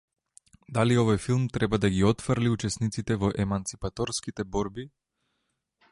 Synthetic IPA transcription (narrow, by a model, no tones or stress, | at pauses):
d̪aliɔvɔjfilˠmt̪ɾɛbad̪aɡiɔt̪fɾliut͡ʃɛsnit̪sit̪ɛvɔʔɛmant̪sipat̪ɔɾskit̪ɛbɔɾbi